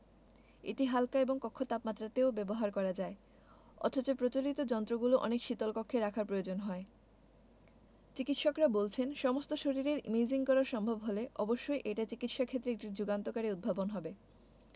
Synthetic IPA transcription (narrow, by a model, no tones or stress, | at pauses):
eʈiɦalkaeboŋkɔkʰːot̪apmat̪ːɾat̪eobɛboɦaɾkɔɾad͡ʑae | ɔ̰t̪ʰot͡ɕopɾot͡ɕolit̪od͡ʑɔnt̪ɾoɡuloʔɔ̰nekʃit̪olkokʰːeɾakʰaɾpɾojod͡ʑonɦɔe | t͡ɕikit̪ʃɔkɾabolt͡ɕʰenʃɔmost̪oʃoɾiɾeɾmid͡ʑiŋkɔɾaɾʃɔmbʱobɦoleʔɔboʃːojʔeʈat͡ɕikit̪ʃakʰet̪ːɾeek̚ʈiɾd͡ʑuɡant̪okaɾeud̪̚bʱabonɦɔbe